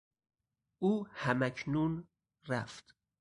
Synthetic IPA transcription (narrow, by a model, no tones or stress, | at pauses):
ʔuːhæmæcʰnun | ɾæft̪